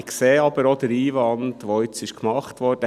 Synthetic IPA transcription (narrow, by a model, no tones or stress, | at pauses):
kseːɑb̥əɾod̥əɾiːʋɑndʋoʏt͡sɪʃkmɑχtʋɔɾd̥ə